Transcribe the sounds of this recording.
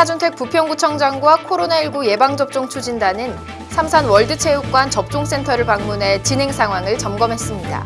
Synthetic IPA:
sʰad͡ʑuntʰwe̞k̚p͈upʰjʌŋɡut͡ɕʰʌŋd͡ʑaŋɡwakʰoɾonaiɭɡuje̞baŋd͡ʑʌp̚t͡ɕ͈oŋt͡ɕʰud͡ʑindanɯn | sʰamsʰanwʌɭdɯt͡ɕʰejuk̚k͈want͡ɕʌp̚t͡ɕ͈oŋs͈ʰe̞ntʰʌɾɯɭpaŋmunɦe̞t͡ɕinɦe̞ŋsʰaŋɦwaŋɯɭt͡ɕʌmɡʌmɦe̞s͈ɯmɲida̰

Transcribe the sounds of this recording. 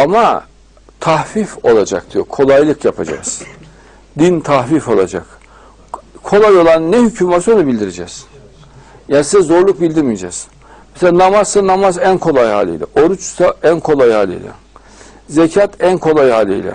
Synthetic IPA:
ama | t̪ʰahfifo̞lˠad͡ʒak̚d̪̥ijokʰo̞lˠajlˠɯkjapʰad͡ʒa̰z̥ | d̪int̪ʰahfifo̞lˠad͡ʒa̰k | kʰo̞lˠajo̞lˠannːɛhycʰymvasonubilʲd̪iɾed͡ʒɛːz̥ | jaːnisizɛzo̞ɾlˠuk̚bilʲd̪iɾmijed͡ʒɛːz̥ | meselʲaːnamaz̥sanamazænkʰo̞lˠajɦa̰ːlʲḛjlʲɛ̰ʔo̞ɾut͡ʃsaænkʰo̞lˠajhaːlʲḛj̰lʲɛ̰ | zecʰat̪ænkʰo̞lˠajhaːlʲḛjlʲɛ̰

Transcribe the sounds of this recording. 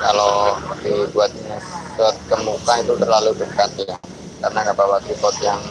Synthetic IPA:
ka̰loat̪ibuat̪̚nbuat̪̚kəmukait̪ut̪ərlalubəkat̪̚ja | karnaɡabawat̪ipɔt̪̚jaŋ

